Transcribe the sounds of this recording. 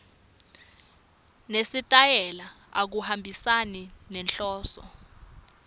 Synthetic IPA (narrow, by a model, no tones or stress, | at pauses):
nesitʼajɛla | ak̬uhambʱisaninɛnɬɔːsɔ̰